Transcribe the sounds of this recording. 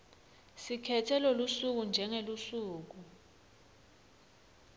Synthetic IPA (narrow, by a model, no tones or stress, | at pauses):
sikʰɛtʰɛlɔlusuk̬und͡ʒʱɛŋelusuːk̬u